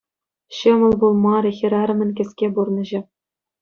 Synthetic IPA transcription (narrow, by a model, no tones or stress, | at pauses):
ɕɤmɤ̆lˠbulˠmɑɾʲexʲiɾʲɑɾɤ̆mʲɘ̆nʲkʲɘ̆sʲkʲeburnɤ̆ʑɘ̆